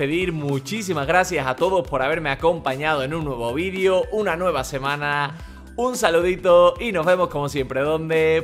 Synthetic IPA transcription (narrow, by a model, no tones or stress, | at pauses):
eðiɾmut͡ʃis̬imazɣɾasjasat̪o̞ðo̞spo̞ɾaβe̞ɾme̞ako̞mpaɲað̞oenũnnːwe̞β̞o̞β̞iðjo̞ʔunanwe̞β̞ase̞mãna | unsaluðit̪oino̞zβe̞mo̞sko̞mo̞sje̞mpɾe̞ðo̞nd̪e̞